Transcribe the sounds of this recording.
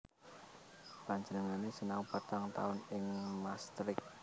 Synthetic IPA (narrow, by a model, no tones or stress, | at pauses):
paɲd͡ʒənəŋanesənaupat̪aŋt̪a̰ʊnɪŋmast̪ɾɪk̚